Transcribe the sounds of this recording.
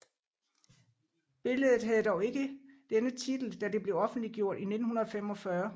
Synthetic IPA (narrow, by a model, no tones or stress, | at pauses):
b̥e̝ləð̩ˠð̩ˠɦæð̞̩ˠd̥ɒʊe̝ɡ̥əd̥enət͡sʰid̥l̩d̥æd̥e̝b̥le̝ʊɒ̽fn̩d̥liɡ̥jo̝ɐ̰d̥ine̝d̥n̩hunɐðˠɒfemɒ̽fɶɐ